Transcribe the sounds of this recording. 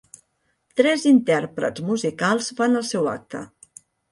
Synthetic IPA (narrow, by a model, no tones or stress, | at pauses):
t̪ɾɛzint̪ɛrpɾə̰zmuzikalˠzfanəlˠsɛwa̰k̚t̪ə̰